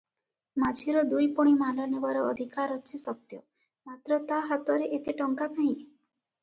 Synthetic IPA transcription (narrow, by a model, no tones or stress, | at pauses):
mad͡ʒʰiɾɔd̪ujpɔɽ̃imalɔnebaɾɔːd̪ʱikaɾɔt͡ʃʰisɔt̪jɔ | mat̪ɾɔt̪aɦat̪ɔɾeʔet̪iʈɔŋkat̪naɦĩ